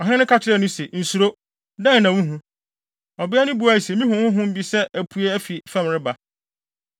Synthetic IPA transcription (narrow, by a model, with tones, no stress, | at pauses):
ɔ˨ɦɪ̃˦nʊ̃˦kʰa˨t͡ɕʰɪ˦ɾɛ˦nʊ̃˦se˨n̩˨su˨ɾo˦ | dã˦n˨nã˨wũ˦ɦũ˦ | ɔ˨bɪ˦ɛ˦nʊ̃˦bu˨˦a˨i˨se˨mĩ˦ɦʊ̃˨hʊ̃˦ɦʊ̃˦m̩˦bi˦sɛ˦ʔæ˨pʰu˨˦e˦æ˦fi˨fɛ̃˦m˨ɾɪ˦ba˨